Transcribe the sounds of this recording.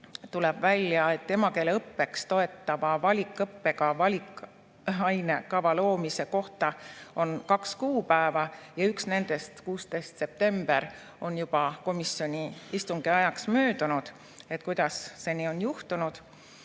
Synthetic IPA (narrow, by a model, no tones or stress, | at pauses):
t̪ulɛb̥vælʲjɑe̞t̪tːe̞mɑke̞leɤpːe̞kst̪o̞e̞t̪ːɑvɑvɑlʲikˑːɤpːe̞kɑvɑlʲikˑ | ɑjne̞kɑvɑlo̞ːmise̞ko̞ht̪ɑo̞nkɑkskuːpæevɑjɑyksne̞nd̪e̞st̪kuːst̪e̞jst̪se̞p̚t̪e̞mb̥e̞ɾ | o̞njub̥ɑko̞misjo̞nʲiist̪uŋɡ̥eɑjɑksmøːd̪̥unud̪̥ | e̞t̪kujd̪̥ɑsːe̞nio̞njuht̪unud̪̥